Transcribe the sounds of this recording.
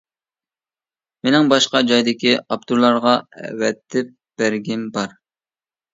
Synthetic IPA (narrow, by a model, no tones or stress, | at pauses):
menɪŋbɑʃqɑd͡ʒɑjd̪ɪkʲiɑp̚t̪ʰuɾlˠɑɾʁɑɛ̰wɛt̪ʰːɪp̚ | b̥æɾɡʲɪnbɑɾ